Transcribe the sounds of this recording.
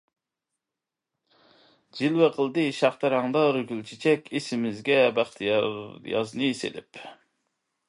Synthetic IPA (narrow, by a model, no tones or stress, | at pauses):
d͡ʒilwæqʰəlˠd̪ɨʃɑχt̪ɨɾɑŋd̪ɑɾyɡʲylt͡ʃʰit͡ʃʰɛkʲʰesɪmɪzɡʲɛbæχt̪ʰjjɑ̰znɨsḛlɪ̰p